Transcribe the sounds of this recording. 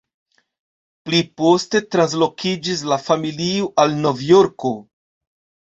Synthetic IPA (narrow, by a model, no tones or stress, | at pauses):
plipo̞ste̞tɾans̬lo̞kid͡ʒis̬lafamilioʔalno̞vjo̞ɾko̞